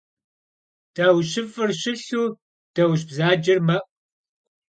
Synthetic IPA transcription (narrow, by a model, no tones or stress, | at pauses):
d̥awɕɪfɨrɕɪɬuː | d̥ɐwɕ̬bzaːd͡ʒɪrmɐʔ